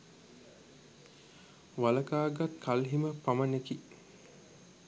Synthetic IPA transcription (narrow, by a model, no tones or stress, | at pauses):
ʋaləkaːɡat̪kʰalɦiməpaməneki